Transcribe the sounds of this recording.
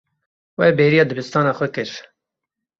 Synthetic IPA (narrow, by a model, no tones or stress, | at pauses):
wɛbeːɾijɑːd̪ɨbɨst̪ɑːnɑːxʷɛkɨɾ